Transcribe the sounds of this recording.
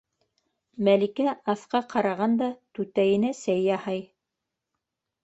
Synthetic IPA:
mælikæɑθqɑqʰɑɾɑʁɑnd̪ɑt̪ʉt̪æjɘ̆næsæjːɑhɑj

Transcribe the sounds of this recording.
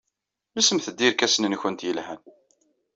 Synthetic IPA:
læsəmθəd̪ːiɾkæsənənçənt̪jəlhæn

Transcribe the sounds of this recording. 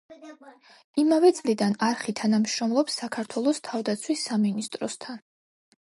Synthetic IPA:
imavɛt̪sʼlid̪anaɾχit̪ʰanamʃɾɔmlˠɔpsːakʰaɾt̪ʰwɛlˠɔst̪ʰavd̪at̪sʰwisːaminist̪ʼɾɔst̪ʰan

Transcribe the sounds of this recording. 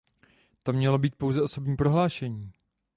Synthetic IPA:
t̪o̞mɲɛlo̞biːt̪̚po̞wzɛo̞so̞bɲiːpɾo̞ɦlaːʃɛɲiː

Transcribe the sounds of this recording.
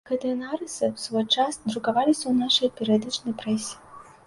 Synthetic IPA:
kɐd̪ɛnaɾɨsɨwsvɔjt͡ʂasd̪ɾukavalʲisʲɐwnaʂɐjpʲɛɾʲijad̪ɨt͡ʂnɐjpɾɛsʲi̥

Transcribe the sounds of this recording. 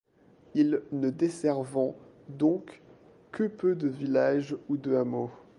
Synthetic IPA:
ilnəd̪esɛʁvɑ̃d̪ɔ̃k | kəpød̪əvilaʒud̪əamo

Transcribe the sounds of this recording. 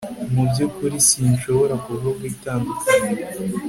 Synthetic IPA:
mubjokuɾisinʃo̞βo̞ɾakuβoɡwiːtama

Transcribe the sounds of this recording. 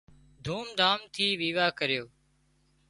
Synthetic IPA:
d̪ʱuːmd̪aːmt̪ʰiːʋiːʋaːkəɾɪjoː

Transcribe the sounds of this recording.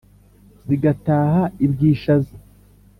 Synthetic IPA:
ziɡataːhaibɡiːʃazi

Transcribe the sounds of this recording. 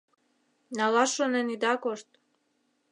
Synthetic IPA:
nalaʃonɛnid̪akoʃt̪

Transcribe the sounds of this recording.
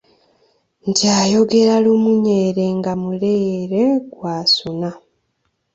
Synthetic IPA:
ntʰiaːjo̞ɡe̞ɾalumuɲe̞ːɾe̞ŋɡamuleːɾe̞ɡwaːsuna

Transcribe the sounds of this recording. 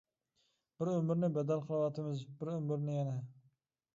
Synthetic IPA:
b̥ɪɾømɪɾnɪbɛd̪ælˠqʰəlˠɨwɑt̪ʰɪmɪzbɪɾɵmɪɾnɪjɛnɛ

